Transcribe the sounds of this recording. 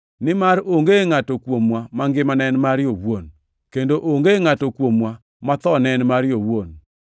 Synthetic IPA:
nɪmaɾoŋɡeŋatokwomwamaŋɡɪmanɛnmaɾjowon | kendoʔoŋɡeŋatokwomwa | mat̪ɔnɛnmaɾjowon

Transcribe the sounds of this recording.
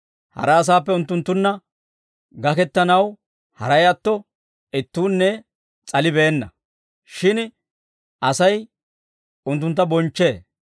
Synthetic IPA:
hɐ̰ɾɐːs̬aːp̬ːɛʊnt̪ːʊnt̪ːʊnːɐ | ɡɐkɛt̪ːɐnɐw | hɐ̰ɾɐjat̪ːɔ | ɪt̪ːuːnːɛ | t͡sʼɐlɪbeːnːɐ̰ | ʃɪn | ʔɐsɐj | ʊnt̪̬ːʊnt̪ːɐbɔnt͡ʃːe̞ː

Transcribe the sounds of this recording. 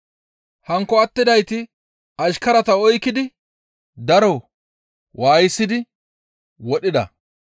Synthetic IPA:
hɐŋkːɔɐt̪ːɪd̪ɐjt̪ɪ | ɐʃkɐɾɐt̪ɐɔjkːɪd̪ɪ | d̪ɐɾɔ | waːjɪsːɪd̪ɪ | wɔɗɪd̪ɐ̰

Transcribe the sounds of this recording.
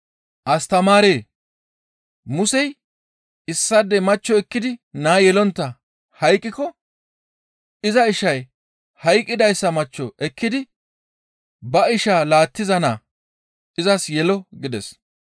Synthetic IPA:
ʔɐst̪ɐmaːɾeː | mʊsɛj | ɪsːɐd̪ɛmɐt͡ʃːɔɛkːɪd̪ɪnaːjɛlɔnt̪ːɐ | hɐjkʼːɪkɔ | ʔɪzɐɪʃɐj | hɐjkʼːɪd̪ɐjsːɐmɐt͡ʃːɔʔɛkːɪd̪ɪ | bɐɪʃaːlaːt̪ːɪzɐnaː | ɪzɐsjɛlɔɡɪd̪ɛs

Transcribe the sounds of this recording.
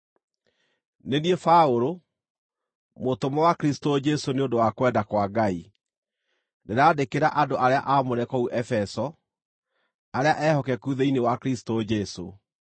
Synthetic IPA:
neniefaoɾo | motomɔwakɾisi̥tod͡ʒɛsoneondowakwɛdakwaɡai | neɾaːdekeɾaʔadoʔaɾeaʔamoɾɛkɔuʔɛfɛsɔ | aɾeaʔɛhɔkɛkuðeinewakɾisi̥tod͡ʒɛso

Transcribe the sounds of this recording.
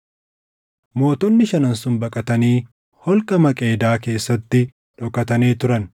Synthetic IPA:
mo̞ːt̪ɔnːɪʃɐnɐnsʊnbɐkʼɐt̪ɐniː | hɔlkʼɐmɐkʼe̞ːd̪aːke̞ːsːɐt̪ːɪ | ᶑɔkʼːɐt̪ɐneːt̪ʊɾɐn

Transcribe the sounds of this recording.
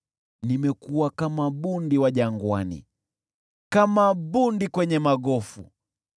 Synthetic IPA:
nimɛkuwakamaɓundiwaʄaŋɡwanḭ | kamaɓundikwɛɲɛmaɡɔfṵ

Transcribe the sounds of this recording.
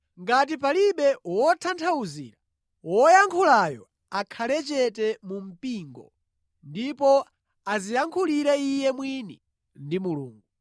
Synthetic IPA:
ŋɡat̬ipaliɓɛwɔtʰantʰauzḭːɾa | wɔjaŋkʰulajɔ | akʰalɛt͡ʃɛtɛmum̩piːŋɡɔ̰ | ndipɔ | azijaŋkʰuliɾɛijɛmwinḭ | ndimulṵːŋɡu

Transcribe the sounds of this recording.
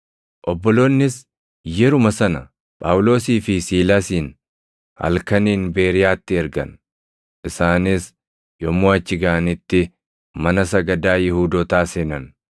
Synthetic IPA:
ʔɔbːɔloːnːɪs | jɛɾʊmɐsɐnɐ̰ | pʼaːʔʊlo̞ːsiːfɪsiːlaːsiːn | hɐ̰lkɐniːnbe̞ːɾɪjaːt̪ːɪɛɾɡɐ̰n | ʔɪsaːnɪs | jɔmːoːɐt͡ʃːɪɡaɐnɪt̪ːɪ | mɐnɐsɐɡɐd̪aːjɪhuːd̪oːt̪aːseːnɐn

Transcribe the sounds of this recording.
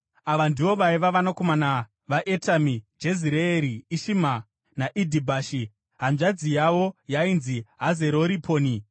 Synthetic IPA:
aʋandiʋo̞ʋaiʋaʋanako̞mana | ʋaʔetʰamid͡ʒeziɾeeɾiːʃima | naʔidʱibʱaːʃi | ɦamʐad͡zijaʋojainziɦaze̞ɾo̞ɾipʰo̞ːni

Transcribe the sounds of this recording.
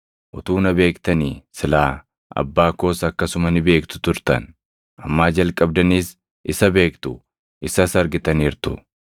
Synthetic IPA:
ʔʊt̪uːnɐbe̞ːkt̪ɐniːsɪlaː | ʔɐ̰bːaːko̞ːsɐkːɐsʊmɐnɪbe̞ːkt̪ʊ̥t̪ʊɾt̪ɐ̰n | ɐmːaːd͡ʒɐlkʼɐb̚d̪ɐniːs | ʔɪsɐbe̞ːkt̪ʊ | ʔɪsɐsɐɾɡɪt̪ɐniːɾt̪ʊ̰

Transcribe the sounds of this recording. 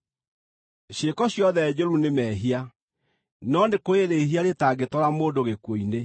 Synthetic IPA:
ɕekɔɕjɔðɛd͡ʑoɾunemɛɦia | nɔnekoeɾeiɦiaɾetaɡetɔɾamoːndoɣekwoine

